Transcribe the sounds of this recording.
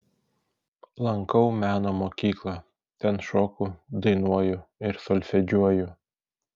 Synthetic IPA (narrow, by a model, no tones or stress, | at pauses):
lˠɐŋkɐʊmʲæːnoːmoːkʲiːklˠɑ | t̪ʲɛnʃoːkʊd̪ɐɪnuɔjʊɪɾsɔlʲfʲɛd͡ʒʲuɔjʊ